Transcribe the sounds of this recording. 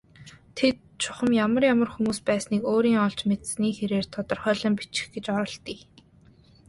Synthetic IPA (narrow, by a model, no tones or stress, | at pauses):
t̪ʰet̪̚t͡ɕʰʊ̥χə̆mjamə̆rjamə̆rxumuːspæːsniːkoːɾiːŋɔɮt͡ɕmet̪sniːxeɾeːr̥t̪ʰɔt̪ɞ̆rχœːɮə̆mpi̥t͡ɕɪ̥̆xɡet͡ɕɔɾɞ̆ɬt̪iː